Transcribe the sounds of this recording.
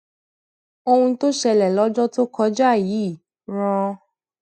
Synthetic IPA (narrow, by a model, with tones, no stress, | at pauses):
o˧hũ˧to˦ʃɛ˧lɛ˨lɔ˦d͡ʒɔ˦to˦kɔ˧˦d͡ʒa˦˨ji˨˦˨ | ɾ̃ɔ̃˧